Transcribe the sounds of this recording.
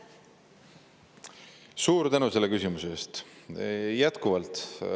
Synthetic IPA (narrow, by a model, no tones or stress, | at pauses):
suːɾt̪ænuse̞lːekysimuse̞eːst̪ | jæt̪kuvɑlt̪